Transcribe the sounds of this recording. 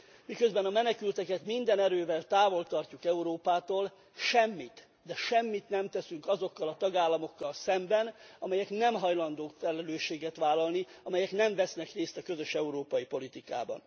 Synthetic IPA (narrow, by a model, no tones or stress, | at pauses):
mikøzbɛnɒmɛnɛkylt̪ɛkɛt̪mind̪ɛnɛɾøːvɛlt̪aːvo̞lt̪ɒrcukɛuɾoːpaːt̪oːl | ʃɛmːit̪ | d̪ɛʃɛmːit̪nɛmt̪ɛsyŋkɒzo̞kːɒlɒt̪ɒɡaːlːɒmo̞kːɒlsɛmbɛnɒmɛjɛknɛmɦɒjlɒnd̪oːkfɛlɛløːʃːeːɡɛt̪ʋaːlːɒlniɒmɛjɛknɛɱvɛsnɛkreːst̪ɒkø̞zøʃɛuɾoːpɒjipo̞lit̪ika̰ːbɒ̰n